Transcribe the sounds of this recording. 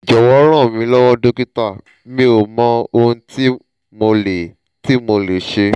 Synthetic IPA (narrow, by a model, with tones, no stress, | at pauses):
d͡ʒɔ˨wɔ˦ɾ̃ã˦˨mĩ˧˦lɔ˦wɔ˦do˦ki˦ta˦˨˦ | mĩ˦o˨mɔ̃˦o˧ũ˦ti˦ | mo˧le˨ | ti˦mo˧le˨ʃe˧